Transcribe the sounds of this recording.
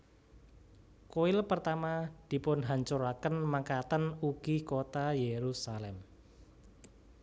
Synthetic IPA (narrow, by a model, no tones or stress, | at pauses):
koɪlpərt̪amad̪̥i̤pʊnɦaɲt͡ʃuɾakənmakat̪ənuɡ̥ikot̪ajeɾusalɛm